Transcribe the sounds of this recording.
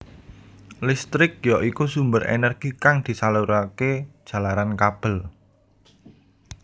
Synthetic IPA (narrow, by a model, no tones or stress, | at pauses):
list̪ɾɪk̚jɔʔikusumbəɾʔḛnərɡ̥ikaŋd̪̥i̤saluɾaked̥ʒ̥ä̤laɾankab̥ə̤l